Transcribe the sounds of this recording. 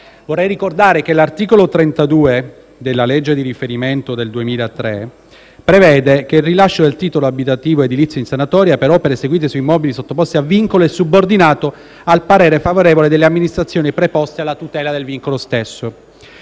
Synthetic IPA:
vorːɛjɾikord̪aːɾekelart̪iːkolot̪ɾent̪ad̪uːe | d̪elːaled͡ʒːed̪iɾifeɾiment̪od̪eld̪uemiːlaet̪ːɾe | pɾevɛːd̪ekeilrilaʃːod̪elt̪iːt̪oloabit̪at̪iːvoed̪ilit̪sjoinsanat̪ɔːɾjapeɾɔpeɾeseɡwiːt̪̬esuimɔːbilisot̪ːopɔst̪eavːiŋkoloesːubord̪inaːt̪o | alpaɾɛːɾefavoɾeːvoled̪elːeamːinist̪ɾat̪sːjoːnipɾepɔst̪ealːat̪ut̪ɛːlad̪elviŋkolost̪esːo

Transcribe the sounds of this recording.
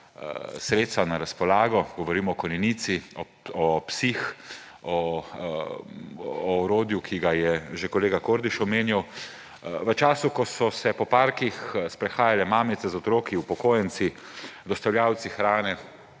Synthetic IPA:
sɾeːt̪st̪anaɾaspɔlaːɡɔɡɔʋɔɾiːmɔːkɔnɛnit̪siɔ | ɔpsix | ɔ | ɾoːd̪jukʰiɡajɛʒekɔleːɡakoɾd̪iʃɔmeːnjaw | ʋət͡ʃaːsukɔsɔsɛpɔpaɾkixspɾɛxaːjalɛmaːmit̪sɛzɔt̪ɾoːkiwpɔkoːjɛnt̪si | d̪ɔst̪awljaːwt̪sixɾaːnɛ

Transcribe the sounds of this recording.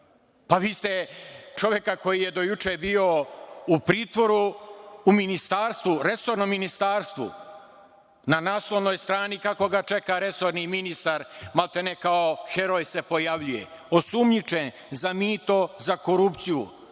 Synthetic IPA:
paʋiːst̪e̞t͡ʃo̞ʋje̞kako̞jije̞d̪o̞jut͡ʃebio̞upɾiːt̪ʋo̞ɾuː | minist̪aːɾst̪ʋuɾe̞so̞ɾnominist̪aːɾst̪ʋṵ | nanaːslˠoʋnojst̪ɾaːnikako̞ɡat͡ʃe̞kaɾe̞so̞ɾniminist̪aɾmalt̪enekaoxe̞ɾojse̞po̞jaʋʎujḛo̞sumɲit͡ʃen | zamiːt̪o̞zako̞ɾupt̪sijṵ

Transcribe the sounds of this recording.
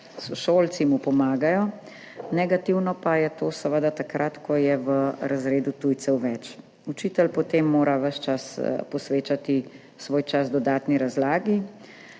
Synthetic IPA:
sɔʃoːlt̪simupɔmaːɡajɔ | nɛɡat̪iwnɔpajɛt̪oːsəʋəd̪at̪akɾʔat̪kɔjɛʋəɾazɾeːd̪ut̪ujt̪sɛwʋɛt͡ʃ | ut͡ʃiːt̪ɛlpɔt̪eːmːoːɾaʋəʃt͡ʃaspɔsʋeːt͡ʃat̪i | sʋoːjt͡ʃazd̪ɔd̪aːt̪niɾazlaːɡi

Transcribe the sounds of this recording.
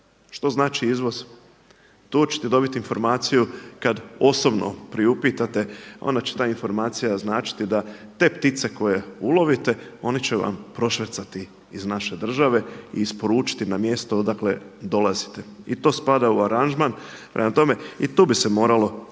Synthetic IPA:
ʃt̪o̞znaːt͡ʃiizʋo̞z̥ | t̪uːt͡ɕe̥t̪ed̪o̞bit̪iːnfo̞ɾmaːt̪sijukad̪o̞so̞bno̰pɾiupiːt̪at̪e̞o̰nd̪at͡ɕe̥t̪aːinfo̞ɾmaːt̪sijaznaːt͡ʃi̥t̪id̪at̪e̞ːpt̪it̪se̞ko̞je̞ulˠo̞ʋit̪e̞o̞nit͡ɕeʋa̰mpɾo̞ʃʋe̞t̪sat̪iː | znaʃe̞d̪r̩ʒaʋe̞ḭːspo̞ɾuːt͡ʃi̥t̪inamje̞st̪od̪akle̞̰d̪o̞lˠazi̥t̪e̞it̪o̞ːspad̪auaɾand͡ʒmanpɾʔemat̪o̞me̞it̪uːbisemo̞ːɾalo̞

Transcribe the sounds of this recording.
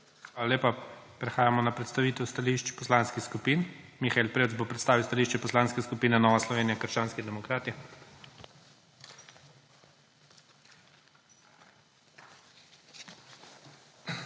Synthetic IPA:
xʋaːlaleːpapɾɛxaːjamɔnapɾɛt̪st̪aʋiːt̪ɛwst̪aliʃt͡ʃpɔslaːnskixskupiːnmixaelpɾeːwtzbopɾɛt̪st̪aːʋiwst̪aliʃt͡ʃɛpɔslaːnskɛskupiːnɛnɔːʋaslɔʋeːnijakəɾʃt͡ʃaːnskid̪ɛmɔkɾaːt̪i

